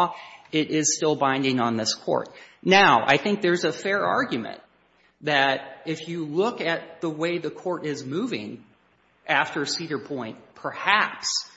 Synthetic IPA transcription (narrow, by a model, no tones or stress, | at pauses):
ɪɾɪz̥stɪlˠbãɪ̃ndɪ̃ŋə̃nðɪskʰɔ̰ɹtⁿnaʊʔa̰ɪθɪ̃ŋk̚ðə˞zəfɛɹɑ̰ɹɡjmɨ̰̃n | ðɨɾɪfjɨlʊkɨt̪̚ðəweɪðɨkʰɔɹɾɪzmuvɪ̰̃ŋ | ʔæftə˞ɨsiɾə˞pʰɔ̃ɪ̃nt̚pʰə˞hæps